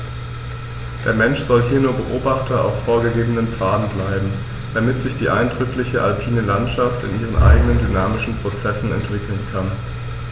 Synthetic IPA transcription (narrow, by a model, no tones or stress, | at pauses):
d̥eːɐmɛnʃz̥ɔlɦiːɐnuːɐbəʔoːbaχtɐʔa̰ʊfːoːɐɡəɡeːbənəmp͡faːdn̩blaɪbm̩ | d̥amɪtz̥ɪçd̥iːʔaɪndʁʏklɪçəʔalpʰiːnəlantʃaftɪ̰nʔiːʁ̞ənʔa̰ɪɡənəndynaːmɪʃn̩pʁ̥ot͡sɛsn̩ɛ̰ntv̥ɪkl̩nkʰan